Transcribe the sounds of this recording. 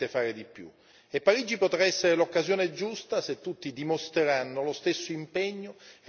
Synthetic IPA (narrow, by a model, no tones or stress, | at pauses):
efaːɾed̪ipːjṵ | epːaɾiːd͡ʒipot̪ɾaɛsːeɾelokːazjoːned͡ʒust̪aset̪ːut̪ːid̪imost̪ɾeɾanːolost̪esːoimpɛɲːo